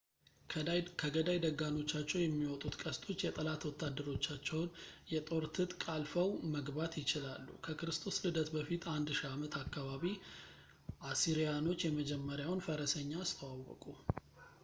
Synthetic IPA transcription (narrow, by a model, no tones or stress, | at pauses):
kʰəɡəd̪ajd̪əɡːano̞t͡ʃːat͡ʃːɛwjɛmːiwɔt̪ʼut̪kʼəst̪ʼʰo̞t͡ʃːjɛt̪ʼəlat̪wɔt̪ʰːad̪ːəɾo̞t͡ʃːat͡ʃːɛwnjɛt̪ʼo̞ɾt̪ʰɨt̪ʼkʼalfəwməɡbat̪jɪt͡ʃɪlalːṵkʰəkɨɾɨst̪ʰo̞slɨd̪ət̪bəfit̪ʰand̪ʃiamət̪ʰakːaβaβi | ʔasiɾijano̞t͡ʃːjɛməd͡ʒɛmːəɾjawnfəɾəsəɲːast̪ʰəwawːɔ̰kʼu